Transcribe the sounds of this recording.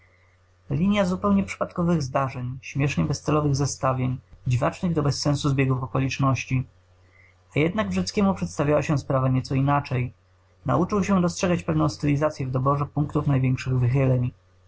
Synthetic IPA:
lʲiɲjazupɛwɲɛpʂɘ̥pat̪kɔvɘɣzd̪aʐɛɲɕmʲjɛʂɲɛbɛst̪sɛlɔvɘɣzast̪avʲjeɲd͡ʑivat͡ʂnɘɣd̪ɔbɛsːɛ̃nsuzbʲjɛɡufɔkɔlʲit͡ʂnɔɕt͡ɕi | ajɛd̪naɡvʐɛt̪skʲɛmupʂɛt̪st̪avʲawaɕɛspɾavaɲɛt̪sɔinat͡ʂɛj | na̰ut͡ʂɘwɕɛd̪ɔstʂɛɡat͡ɕpɛvnɔ̃w̃st̪ɛlʲizat̪sʲjɛvd̪ɔbɔʐɛpuŋkt̪ufnajvʲjɛ̃ŋkʂɘɣvɘxɘlɛɲ

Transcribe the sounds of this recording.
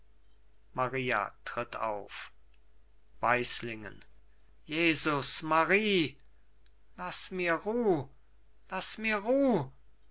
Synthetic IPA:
maʁiːa̰tʁ̥ɪtʰa̰ʊf | v̥aɪslɪŋə̰n | jeːzʊsmaʁiː | lasmiːɐʁuː | lasmiːɐʁuː

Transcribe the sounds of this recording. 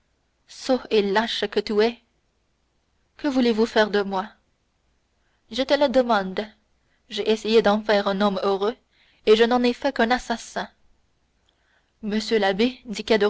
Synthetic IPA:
soelaʃkət̪yɛ | kəvulevufɛʁd̪əmwa | ʒet̪ɛlad̪əmɑ̃d̪ | ʒɛʔesejed̪ɑ̃fɛːʁɛ̃nɔmøʁø | eʒənɑ̃nɛfɛkɛ̃nasasɛ̃ | məsjølabed̪ikad̪ə

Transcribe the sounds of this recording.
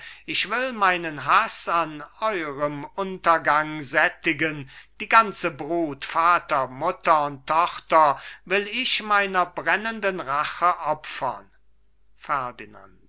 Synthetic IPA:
ʔɪʃv̥ɪlmaɪnənɦasanɔʏʁəmʊntɐɡaŋzɛtɪɡənd̥iːɡant͡səbʁuːtfaːtɐmʊtɐʊntʰːɔχtɐvɪlɪʃmaɪnɐbʁɛnəndənʁaχəʔɔpfɐ̰n | fɛɐdina̰nt

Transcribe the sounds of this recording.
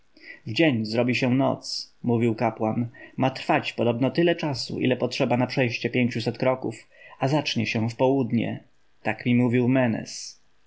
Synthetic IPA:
vd͡ʑeɲzɾɔbʲiɕɛ̃nɔ̰t̪smuvʲiwkapwanmat̪ɾfat͡ɕpɔd̪ɔbnɔt̪ɘlɛt͡ʂasṵʔḭlɛpɔtʂɛbanapʂɛjɕt͡ɕɛpʲjeɲt͡ɕusɛt̪kɾɔkufazat͡ʂɲɛɕɛ̃fpɔwud̪ɲɛ̰ | t̪akmʲimuvʲiwmɛnɛ̰s

